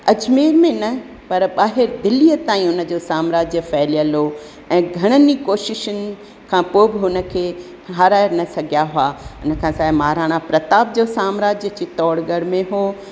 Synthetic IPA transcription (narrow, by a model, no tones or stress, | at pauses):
ɐd͡ʑmeːɾmẽnɐ | pɐɾɓaːɦɪɾd̪ɪliːət̪aːĩʊnə̆d͡ʑosaːmɾaːd͡ʑjəfɛːlijəlo | ɛ̃ːɡʱɐɽ̃ənikoːʃɪʃʊnɪ̆ | kʰãːpoːbɪɦʊnə̆kʰeː | ɦaːɾaːɪɾnɐsɐɡʱijaɦʊaːʊnə̆kʰãːsaːmaːɾaːɽ̃apɾɐt̪aːb̚d͡ʑosaːmɾaːd͡ʑjəd͡ʑit̪ɔːɽɡəɽmẽɦoː